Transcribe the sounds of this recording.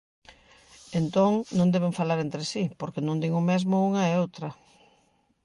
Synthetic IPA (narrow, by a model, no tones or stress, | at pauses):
ent̪oŋnõŋd̪ɛβ̞eɱfalaɾent̪ɾesipoɾkenõnd̪iŋʊmezmʊuŋɐeowt̪ɾɐ